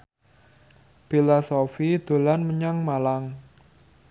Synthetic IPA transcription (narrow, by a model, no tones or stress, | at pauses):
pilɔsofid̪̥o̤lanməɲaŋmalaŋ